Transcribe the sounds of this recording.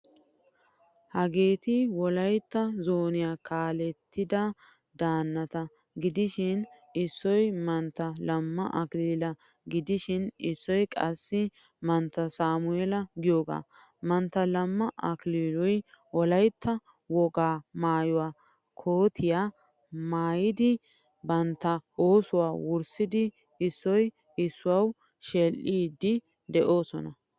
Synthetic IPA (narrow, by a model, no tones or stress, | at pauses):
hɐɡe̞ːt̪ɪwɔlɐjt̪ːɐzoːnɪjaːkaːlɛt̪ːɪd̪ɐ | d̪aːnːɐt̪ɐ | ɡɪd̪ɪʃɪn | ɪsːɔjmɐnt̪ːɐlɐmːɐʔɐkliːlɐ | ɡɪd̪ɪʃɪnɪsːɔjkʼɐ̰sːɪ | mɐnt̪ːɐsaːmʊɛlɐɡɪjoːɡa̰ː | mɐnt̪ːɐlɐmːɐʔɐkliːlɔjwɔlɐjt̪ʰːɐ | wɔɡaːmaːjʊwaː | kʰoːt̪ʰɪjaː | maːjɪd̪ɪ | bɐnt̪ːɐoːsʊwaːwʊɾsɪd̪ɪ | ɪsːɔj | ɪsːʊwɐw | ʃɛlʔiːd̪ɪ | d̪ɛʔo̞ːsɔ̰nɐ